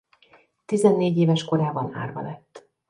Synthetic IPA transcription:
t̪izɛnːeːɟeːvɛʃko̞ɾaːbɒna̰ːrbɒ̰lɛt̪ː

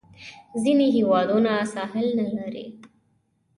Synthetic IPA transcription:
zineɦewɑd̪onasɑɦɪlnalaɾḛ

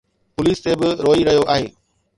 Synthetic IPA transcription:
pʊliːst̪ebɪɾoːiɾɐɦjoʔaːɦeː

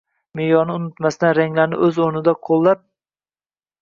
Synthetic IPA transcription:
mejɒnɪʊnɪt̪masɪd̪anɾaŋlaɾnɪ̰ʔɵzoɾnɪd̪aqʰolˠːaɾ

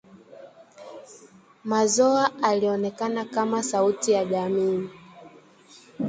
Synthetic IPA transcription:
mazɔaaliɔnɛkanakamasautijaʄamiː

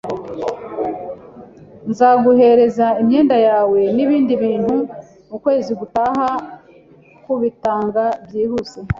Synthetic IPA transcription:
nzaɡuɦe̞ɾe̞zaimɲe̞ːndajaːwe̞niβiːndiβiːn̥hu | ukwe̞ːziɡutaɦa | kuβitaːŋɡabjiːhuse

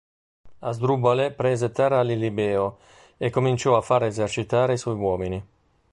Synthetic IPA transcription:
azd̪ɾubalepɾɛːzet̪ɛrːalilibɛːo | ekːomint͡ʃɔafːaɾezert͡ʃit̪aːɾeiswɔjwɔːmini

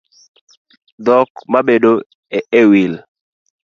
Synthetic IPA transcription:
d̪ɔkmabedo | eewil

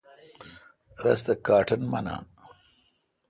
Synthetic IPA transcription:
ɾɐ̰sd̪əkɑːʈʰənmɐ̰nɑ̰ːn

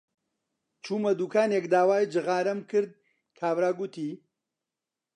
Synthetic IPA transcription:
t͡ʃʰuːmɐd̪uːkaːnekd̪aːwaːjd͡ʒɨɣaːɾɐmkʰɨɾd̪̚ | kʰaːbɾaːɡʊt̪ʰiː

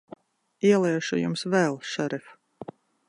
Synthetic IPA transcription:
iɛlˠɛːʃujṵmsvɛːlˠʃɛɾif

